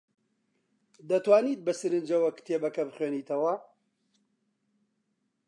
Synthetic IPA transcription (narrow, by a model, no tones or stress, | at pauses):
d̪ɐt̪waːniːt̪̚bɐsɨɾɨnd͡ʒɐwɐkt̪ʰeːbɐkɐbɨχweːniːt̪ʰɐwɐ